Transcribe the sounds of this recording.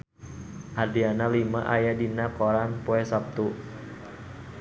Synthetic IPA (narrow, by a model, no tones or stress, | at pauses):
ʔadianalimaʔajadinakɔɾanpuɛsap̚t̪u